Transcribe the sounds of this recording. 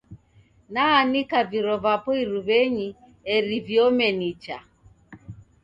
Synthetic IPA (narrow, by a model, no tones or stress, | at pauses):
naːnikaviɾɔvapɔiɾuβɛɲi | ɛɾivjɔmɛnit͡ʃa̰